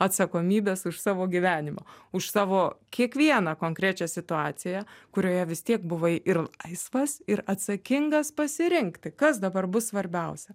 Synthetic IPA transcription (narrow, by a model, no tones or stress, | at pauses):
ɐt̪sɐkoːmʲiːbʲeːsʊʃsɑːʋoːɡʲiʋʲæːnʲɪmɐʊʃsɑːʋoːkʲiɛkʋʲiɛnɑkoːŋkɾʲæːt͡ʃʲɛsʲɪt̪ʊɑːt̪sʲɪjɛkʊɾʲoːjɛʋʲɪst̪ʲiɛkbʊʋɐʔɪrlˠɐɪsʋɐsɪɾɐt̪sɐkʲɪŋɡɐspɐsʲɪɾʲɪŋkt̪ʲɪkɐsd̪ɐbɐrbʊssʋɐɾʲbʲɛʊsʲɛ